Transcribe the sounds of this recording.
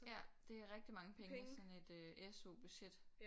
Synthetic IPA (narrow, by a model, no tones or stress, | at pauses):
jæd̥e̝æɐʁɛɡ̥̚d̥imɑ̈ŋəpʰeŋəŋsɒ̽ne̝d̥øʔeso̝̰b̥yɕed̥